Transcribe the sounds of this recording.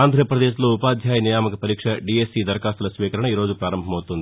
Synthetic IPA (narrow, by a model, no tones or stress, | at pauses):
aːnd̪ʱɾɐɐpɾɐd̪eːʃlo̞ːupaːd̪ʱjaːjɐnijaːmɐkɐpɐɾiːkʂɐɖiesiːd̪ɐɾkaːst̪ulɐsʋiːkɐɾɐɳɐiːɾo̞ːd͡ʒupɾaːɾɐmbʱɐmɐwt̪und̪i